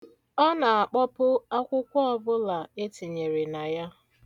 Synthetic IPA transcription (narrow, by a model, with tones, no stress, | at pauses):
ɔ˦na˨a˨k͡pɔ˦pʊ˦a˦kʷʊ˦kʷɔ˦ɔ˦bʊ˦la˨e˦ti˨ɲe˨ɾe˨na˨ja˦